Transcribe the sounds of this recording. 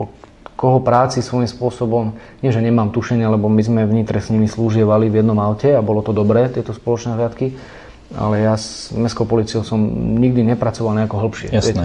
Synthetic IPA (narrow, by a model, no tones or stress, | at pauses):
ɔ | kɔɦɔpɾaːt͡sisʋɔjimspʊɔsɔbɔmɲɪɛʒɛɲɛmaːmt̪uʃɛɲɪalɛbɔmizmɛvɲit̪ɾɛsɲimisluːʒɪɛʋalivjɛd̪nɔmaʊcɛabɔlɔt̪ɔd̪ɔbɾɛːt̪ɪɛt̪ɔspɔlɔt͡ʃnɛɦlɪat̪ki | ʔa̰lɛjazmɛskɔʊpɔliːt͡siɔʊsɔmɲiɡ̚d̪iɲɛpɾat͡sɔʋalɲɛakɔɦl̩pʃɪɛ̰sɛ